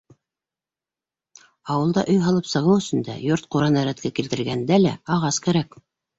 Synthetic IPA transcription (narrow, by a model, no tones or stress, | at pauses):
ɑwɤ̆lˠd̪ɑʔɵjɦɑlˠɤpsɤ̆ʁɤwɵ̆sɵ̆nd̪æ̰joɾt̪̚quɾɑnæɾæt̪kækilt̪ɘ̆ɾɡænd̪ælæ̰ɑʁɑskæɾæk